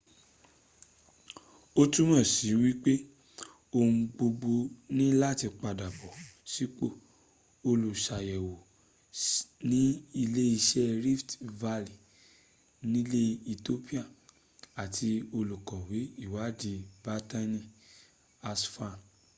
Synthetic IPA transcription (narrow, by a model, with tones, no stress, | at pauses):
o˦tu˦mɔ̃˦˨si˨˦wi˦k͡pe˦ | o˧ũ˧ɡ͡bo˧ɡ͡bo˧nĩ˦la˦˨ti˧k͡pa˧da˨bɔ˨si˨˦k͡po˦˨ | o˧lu˨ʃa˨jɛ˨wo˨ | nĩ˦i˧le˦i˧ʃɛ˦ɾi˦ftva˧li˨ | nĩ˦le˦i˧to˦pi˦a˦˨ | a˨tʰi˧o˧lu˨kɔ˨wi˨˦i˦˨wa˨˦di˧ba˧ta˦nĩ˦ | a˧sfa˦˨